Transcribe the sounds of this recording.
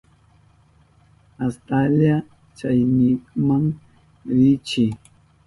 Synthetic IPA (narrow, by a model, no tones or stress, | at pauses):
astalia | t͡ʃajnikmaŋ | ɾit͡ʃi